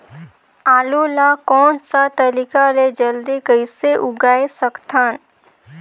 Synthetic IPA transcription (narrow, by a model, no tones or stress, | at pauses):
aːlulakɔːnsat̪ɐlɪkaɾed͡ʒəld̪ikəɪseʔʊɡaːesəkt̪ʰaːn